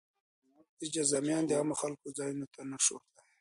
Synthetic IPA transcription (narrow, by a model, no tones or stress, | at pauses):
id͡ʒazamjɑːnd̪iamaxalkozɑːjunot̪anaʃo̰ɾd̪a